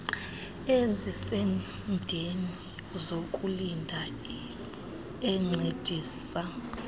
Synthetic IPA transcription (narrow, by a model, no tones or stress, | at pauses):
ezisɛ | ndʱeni | zokʼulindʱa | ɛŋ͡ǀed̥ʱiːsa